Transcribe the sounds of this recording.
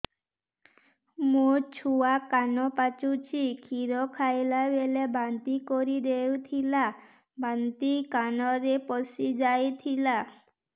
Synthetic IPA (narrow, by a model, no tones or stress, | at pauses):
mũt͡ʃʰuakanɔpat͡ʃut͡ʃʰikʰiɾɔkʰajlabelebant̪ikɔɾid̪ewt̪ʰila | bant̪ikanɔɾepɔsid͡ʒajt̪ʰila